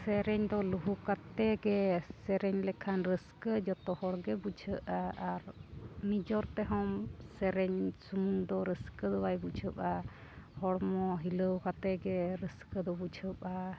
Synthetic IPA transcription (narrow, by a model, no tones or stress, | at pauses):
sɛɾɛɲd̪ɔluɦukat̪ɛɡɛsɛɾɛɲlɛkʰanɾəskəd͡ʒɔt̪ɔhɔɽɡɛbut͡ʃʰəʔaaɾnid͡ʒɔɾt̪ɛɦɔmsɛɾɛɲsumuŋd̪ɔɾəskəd̪ɔwajbut͡ʃʰəpa | hɔɽmɔɦiləwkat̪ɛɡɛɾəskəd̪ɔbut͡ʃʰəpa